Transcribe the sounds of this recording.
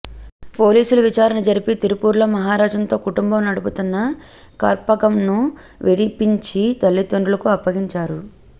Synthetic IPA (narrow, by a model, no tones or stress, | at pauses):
po̞ːliːsulɐʋit͡ʃaːɾɐnɐd͡ʒɐɾipit̪iɾupuːɾlɐmɐɦaːɾaːd͡ʒɐnt̪o̞ːkuʈumbɐmnɐɽuput̪unːɐ | kɐ̰ɾpɐɡɐmnu | ʋʔeɽipiɲt͡ʃit̪ɐlːit̪oɳɖulɐkuɐpːɐɡiɲt͡ʃaːɾu